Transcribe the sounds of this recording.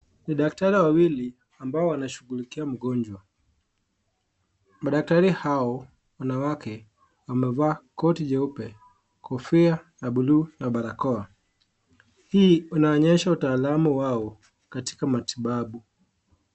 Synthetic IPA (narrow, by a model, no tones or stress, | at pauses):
niɗak̚taɾiwawili | ambaɔwanaʃuɣulikiam̩ɡɔɲd͡ʒwa | maɗak̚taɾihaɔ | wanawakɛ | wamɛvaːkɔtiʄaupɛ | kʰɔfiajaɓuluːnaɓaɾakɔa | hiːunaɔɲɛʃautaːlamuwaɔ | kati̥kamatʰiɓaɓu